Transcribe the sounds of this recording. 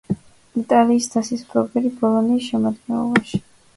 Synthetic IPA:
it̪ʼaliːsd̪ʰasisbʰɾɔbɛɾibɔlˠɔniːsʃɛmad̪̚ɡɛnlˠɔ̰baʃi̥

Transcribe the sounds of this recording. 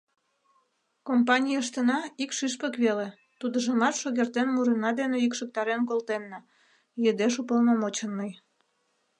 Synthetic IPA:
kompɑnʲijəʃ̬t̪ənɑikʃyʃpəkβele | t̪ud̪əʒəmɑt̪ʃoɣert̪enmuɾənɑd̪eneikʃək̚t̪ɑɾenkolt̪enːɑ | jəd̪eʃupəlnomot͡ɕənːəj

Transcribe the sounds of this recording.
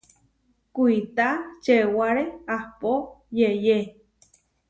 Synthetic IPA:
kʷuit̪at͡ʃewaɾeahpojeje

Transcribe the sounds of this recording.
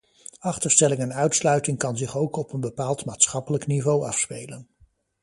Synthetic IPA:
ɑχtəɹstɛlɪŋɛnœɥtslœɥtɪŋkɑnzɪχowkɔpənbəpaːlˠtmaːtsχɑpələknivowɑ̰fspejlən

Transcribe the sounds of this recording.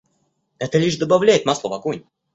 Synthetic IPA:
ɛt̪əlʲiʂd̪əbɐvlʲæjɪt̪maslˠəvɐkunʲ

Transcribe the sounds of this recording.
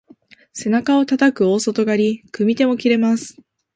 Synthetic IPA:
se̞nakao̞t̪at̪akɯ̟o̞ːso̞t̪o̞ɡaɾʲikɯ̟mʲit̪e̞mo̞kʲiɾe̞masɨ̥

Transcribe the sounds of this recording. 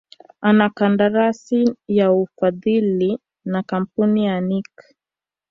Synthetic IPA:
anakandaɾasijaufaðili | nakam̩punijanik

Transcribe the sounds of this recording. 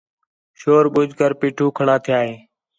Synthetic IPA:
ʃoːɾɓʊd͡ʒʱkəɾpiːʈʰuːkʰəɳaːt̪ʰɪjaːɦeː

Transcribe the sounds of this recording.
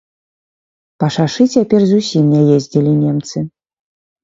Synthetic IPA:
pɐʂaʂɨt͡sʲapʲɛrzusʲimnʲajezʲd͡zʲilʲinʲɛmt̪sɨ

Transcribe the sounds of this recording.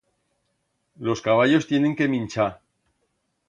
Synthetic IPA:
lo̞skaβ̞aʎo̞st̪je̞neŋke̞mĩnt͡ʃa

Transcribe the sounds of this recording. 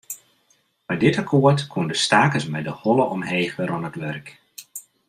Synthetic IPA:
b̥ɛjdɪtakʰoəɹtkʰundəstaːkəsmɛjdəhɔləʔɔmheːɣəɾɔnətʋɛrk

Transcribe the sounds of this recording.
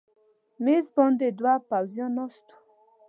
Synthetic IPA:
mezbɔnd̪ed̪wapawzjɑnɑst̪u̥

